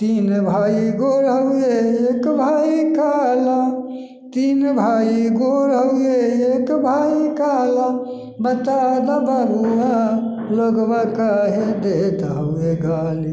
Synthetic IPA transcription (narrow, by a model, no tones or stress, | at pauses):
t̪inbʱaːiɡoɾɦəeekbʱaːikaːla | t̪inbʱaːiɡoɾɦəjeekbʱaːikaːla | bət̪ad̪abaɾuja | ləɡbakaɦid̪et̪ɦəeɡaːli